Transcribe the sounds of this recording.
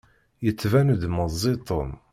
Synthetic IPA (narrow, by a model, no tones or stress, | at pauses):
jət͡sːvænud̪məzˤːit̪ˤəm